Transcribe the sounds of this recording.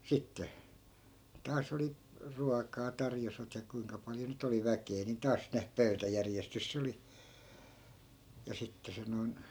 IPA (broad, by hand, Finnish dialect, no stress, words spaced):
sitːe tɑːs oli ruɑkɑː tɑrjosʋɑt jɑ kuiŋkɑ pɑljo nyt oli ʋækeː ni tɑːs ne pøy̞tæjærjestys sĕ oli jɑ sitːe se noi̯n